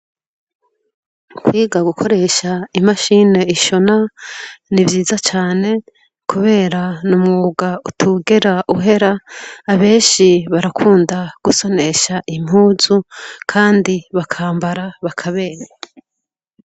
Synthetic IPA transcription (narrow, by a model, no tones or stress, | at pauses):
kwiːɡaɡukʰo̞ɾe̞ʃaimaʃine̞iʃo̞na | nivjiːzat͡ʃaːne̞ | kuβe̞ːɾanumŋuːɡautʰuɡeɾaʔuɦe̞ɾaːβe̞ːnʃiβaɾakʰuːndaɡ̥uso̞ne̞ʃaʔim̥uːzukʰaːndiβakʰaːmbaɾaβakʰaβe̞ːɾe